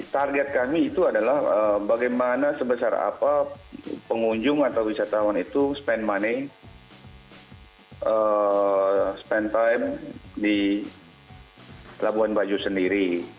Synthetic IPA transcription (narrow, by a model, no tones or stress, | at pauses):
t̪arɡɛt̪̚kamiːt̪uadalahəbaɡajmanasəbəsara̰papəŋuɲd͡ʒʊŋat̪awwisat̪awanit̪uspɛnmani | ʔə | spɛnt̪ajmdi | labuɦanbad͡ʒusəndiɾi